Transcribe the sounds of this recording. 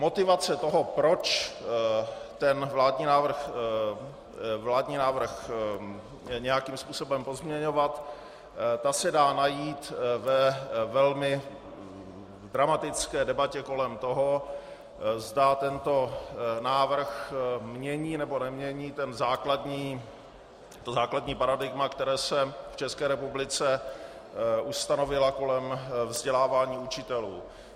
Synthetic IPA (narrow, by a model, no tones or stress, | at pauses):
mo̞t̪ɪvat͡sɛt̪o̞ɦo̞pɾo̞t͡ʃ | t̪ɛnvlaːdɲiːnaːvr̩x | vlaːdɲiːnaːvr̩x | ɲɛjakimspuːso̞bɛmpo̞zmɲɛɲo̞vat̪ | t̪asɛdaːnajiːt̪vɛvɛlmɪ | dɾamat̪ɪt͡skɛːdɛbacɛko̞lɛmt̪oɦo̞ | zdat̪ɛnt̪o̞naːvr̩xmɲɛɲiːnɛbo̞nɛmɲɛɲiːt̪ɛnzaːkladɲiː | t̪ozaːkladɲiːpaɾadɪɡmakt̪ɛɾɛːsɛft͡ʃɛskɛːɾɛpublɪt͡sɛ | ʔust̪ano̞vɪlako̞lɛmvzɟɛlaːvaːɲiːut͡ʃɪt̪ɛlṵː